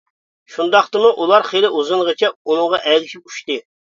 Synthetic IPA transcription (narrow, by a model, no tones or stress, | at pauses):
ʃund̪ɑχt̪ɨmuʔulˠɑɾχelɪʔuzɨŋʁət͡ʃʰɛunɨŋʁɑʔɛzɪʃʲʰip̚y̥ʃt̪ɨ